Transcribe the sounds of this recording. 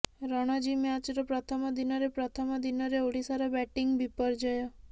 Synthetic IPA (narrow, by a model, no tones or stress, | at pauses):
ɾɔɽ̃ɔd͡ʒimeat͡ʃɾɔpɾɔt̪ʰɔmɔd̪inɔɾepɾɔt̪ʰɔmɔd̪inɔɾeoɽ̤isaɾɔbɛʈiŋɡbipɔɾd͡ʒɔjɔ